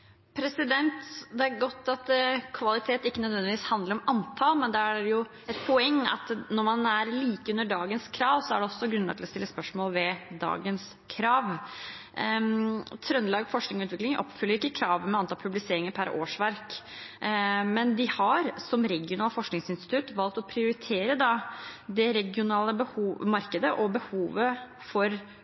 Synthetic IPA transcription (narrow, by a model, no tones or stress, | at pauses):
pʰɾɛsɪd̪ɛnt̪d̪ɛæɾɡɔt̪ːɑt̪kʰʋɑlɪt̪ʰeːt̪ɪkːənœd̪ʋɛnd̪ɪʋiːshɑnd̪ləɾɔmɑnt̪ʰɑlmɛnd̪ɛæjʊ | ɛt̪̚pʰɔɛŋːɑ̰t̪nɔɾmɑnæɾliːkəʉnːəɖɑːɡənskʰɾɑːʋsɔæ̰ɖɛɔsːɔɡɾʉnːə̰t̪ʰɪlɔst̪ɪlːəspœʂmoːlʋɛd̪ɑ̰ːɡəns | kʰɾɑːʋ | t̪ʰɾœnlɑːɡfɔʂknɪŋɔʉːt̪ʋɪklɪŋʔɔ̰pːfʏlːəɾɪkːəkʰɾɑːʋəmɛɑnt̪ʰɑːlpʰʉblɪseːɾɪŋəɾpʰæɾo̰ːʂʋæɾk | mɛnd̪ɪhɑɾsɔmɾɛɡɪʊnɑːləfɔʂknɪŋsɪnst̪ɪt̪ʰʉt̪ːʋɑlt̪ɔpʰɾɪʊɾɪt̪ʰeːɾəd̪ɑd̪ɛɾɛɡɪʊnɑːləbəhuːmɑɾkəd̪əʔɔbəhuːʋə | fɔɾ